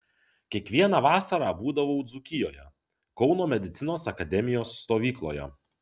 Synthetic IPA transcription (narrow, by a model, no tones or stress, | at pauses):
kʲiɛkʋʲiɛnɑːʋɑːsɐɾɑːbuːd̪ɐʋoʊd̪zʊkʲɪjoːjɛ̰ | kɒʊnoːmʲɛd̪ʲɪt̪sʲɪnoːsɐkɐd̪ʲɛmʲɪjoːsːt̪oːʋʲiːklˠo̰ːjɛ̰